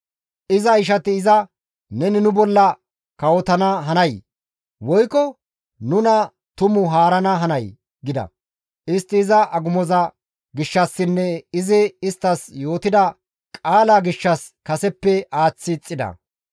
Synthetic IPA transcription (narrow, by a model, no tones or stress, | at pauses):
ʔɪzɐɪʃ̬ɐt̪ɪːzɐ | nɛnɪnʊbɔlːɐ | kɐwɔt̪ɐnɐɦɐnɐj | wɔjkɔ | nʊnɐ | t̪ʊmʊɦaːɾɐnɐɦɐnɐj | ɡɪd̪ɐ̰ | ʔɪst̪ːɪːzɐʔɐɡʊmɔzɐ | ɡɪʃːɐsːɪnːɛɪzɪɪst̪ːɐsjo̞ːt̪ɪd̪ɐ | kʼaːlaːɡɪʃːɐs | kɐsɛpːɛaːt͡sːɪt͡sʼːɪd̪ɐ̰